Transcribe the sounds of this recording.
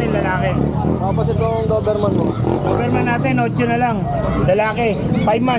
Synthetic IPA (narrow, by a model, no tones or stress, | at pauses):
ɪnlɐlaːkɛt̪aːposɪt̪oŋɡoːbɛɾmɐnmoɡ̪oːbɛɾmɐnːaːt̪ɪnːoːt͡ʃonɐlaŋ | lɐlaːkepajb̚ma